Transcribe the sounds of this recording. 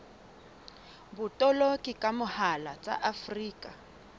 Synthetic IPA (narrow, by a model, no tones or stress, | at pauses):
bʊtʼɔlokʼikʼamʊhalat͡sʼa̰ʔafriːkʼa